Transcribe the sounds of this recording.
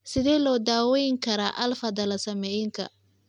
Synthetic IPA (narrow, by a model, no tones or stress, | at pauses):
sɪðɛːlɔːd̪aːwɛjɪŋkʰɐɾaːʔɐlfɐd̪ɐlɐsɐmɛjɪŋkʰɐ̰